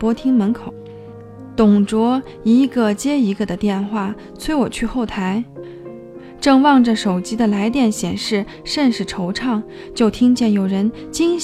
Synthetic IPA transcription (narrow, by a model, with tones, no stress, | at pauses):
pwɔ˥t̪ʰi˥ŋmə˧˥nkʰo˨˩˦ʊ | t̪ʊ˨˩ŋʈ͡ʂwɔ˧˥ | i˧˥ɡə˧t͡ɕjɛ˥i˧˥ɡə˧d̪ə˨t̪jɛ˥˧nxwa˥˩ | t͡sʰwe˥ɪwɔ˨˩t͡ɕʰy˥˧xo˥˩ʊt̪ʰa˧˥ɪ | ʈ͡ʂɤ˥˧ŋwɑ˥˩ŋʈ͡ʂə˩ʂo˨˩ʊt͡ɕi˥d̪ə˨la˧˥ɪt̪jɛ˥˩nɕjɛ˨˩nʂɻ̩˥˩ | ʂə˥˧nʂɻ̩˥˩ʈ͡ʂʰo˧˥ʊʈ͡ʂʰɑ˥˩ŋ | t͡ɕjo˥˩ʊt̪ʰi˥ŋt͡ɕjɛ˥˩njo˨˩ʊɻə˧˥n | t͡ɕi˥ŋ